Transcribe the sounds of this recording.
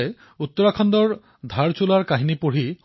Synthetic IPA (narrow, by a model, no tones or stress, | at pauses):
ɛ | ut̪ːɔɹakʰɔnd̪ɔɹ | d̪ʱaɹt͡ɕulaɹkaɦinipoɹi